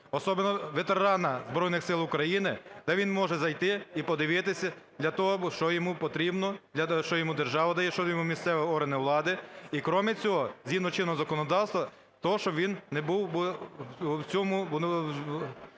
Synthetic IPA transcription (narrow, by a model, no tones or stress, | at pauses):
ɔsɔbenɔʋet̪eɾɑnɐzbɾɔjnɪxsɪlˠʊkɾɐjinɪd̪ɛʋʲinmɔʒɛzɐjt̪ɪipɔd̪ɪʋɪt̪ɪsʲɐd̪lʲɐt̪ɔɦɔʃt͡ʃɔjɔmupɔt̪ɾʲibnɔd̪ʲɐʃt͡ʃɔjɔmud̪erʒɑʋɐd̪ɐjɛʃt͡ʃɔd̪ɔjmumʲisɛʋɛɔrɦɐnɪʋlˠɑd̪ɪikɾɔmɪt͡sʲɔɦɔzʲinɔt͡ʃɪnɔɦɔzɐkɔnɔd̪ɑwst̪ʋɐ | t̪ɔɦɔʃt͡ʃɔʋʲinnɛbuwb | t͡sʲɔmʊb̪